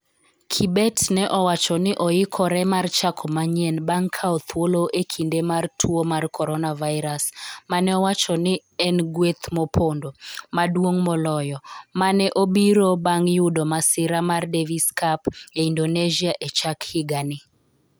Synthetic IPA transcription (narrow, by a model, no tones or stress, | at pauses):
kʰibɛtnɛʔɔwat͡ʃɔnɪʔɔjɪkʰɔɾɛmart͡ʃakʰɔmaɲɛnbaŋkʰaɔt̪ʰwoloʔekʰindemartʰwomarkʰɔɾɔnavaɪɾasmanɛɔwat͡ʃɔnɪ | ɛnɡwet̪mɔpʰondomadwoŋmɔlɔjɔmanɛʔobiɾobaŋjʊdɔmasɪɾamardeviskapjaindoned͡ʒiaʔet͡ʃakhɪɡanɪ